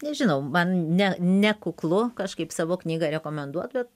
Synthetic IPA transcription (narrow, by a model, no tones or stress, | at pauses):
nʲɛʒʲɪnɐʊmɐnnʲɛnʲɛkʊklˠʊkɐʃkɐɪpsɑːʋoːknʲiːɡɐɾʲɛkoːmʲɛnd̪uɔt̪bʲɛt̪̚